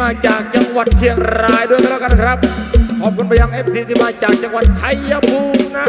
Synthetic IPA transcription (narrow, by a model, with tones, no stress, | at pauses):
aː˧t͡ɕaː˨˩k̚t͡ɕa˧ŋwa˨˩t̪̚t͡ɕʰi˧əŋɾaː˨˧˩jdu˥˩˨jka˧lɛː˧˩ka˧na˧˩kʰɾa˦˥p̚kʰɔː˨˩p̚kʰu˧npa˧ja˧ŋʔe˦˥p̚siː˨˦˥t̪ʰiː˧˩maː˧t͡ɕaː˨˩k̚t͡ɕa˧ŋwa˨˩t̪̚t͡ɕʰa˧˩jːa˧pʰuː˧ŋna˧˥˩